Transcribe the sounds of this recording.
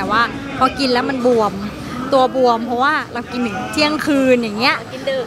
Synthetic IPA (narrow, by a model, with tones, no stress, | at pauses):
t̪ɛː˨˩waː˧˥˩ | pʰɔː˧ki˨˧nlɛː˦˥wma˧nbu˨˩əm | t̪u˧ɐbu˨˩əmpʰɔ˦˥waː˥˩ɾa˧wki˧ntɯ˨˩˦ŋt̪ʰi˦˥˩əŋkʰɯː˧njaː˨˩ŋːi˦˥ɐʔ